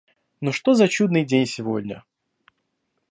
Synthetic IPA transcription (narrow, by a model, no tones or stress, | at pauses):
noʂt̪ozɐt͡ɕud̪nɨjdʲenʲsʲɪvo̞̰dʲnʲə̰